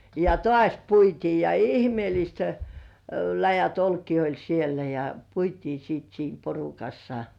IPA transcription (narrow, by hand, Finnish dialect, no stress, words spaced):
jɑ tŏɑˑsʲ puitiː jɑ ihmĭeˑlist læjæt olkiː olʲ sielæ jɑ puitiː siːt siːm porukɑsːɑ